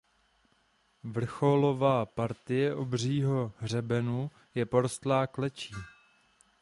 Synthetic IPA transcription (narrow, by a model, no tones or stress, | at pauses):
vr̩xo̞lo̞vaːpaɾt̪ɪjɛʔobr̝iːɦo̞ɦr̝ɛbɛnu | jɛpo̞ɾost̪laːklɛt͡ʃiː